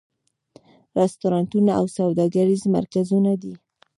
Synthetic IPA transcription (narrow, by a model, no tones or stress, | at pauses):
ɾɪst̪uɾɑntunaawsawd̪ɑɡaɾizma̰ɾkazunad̪i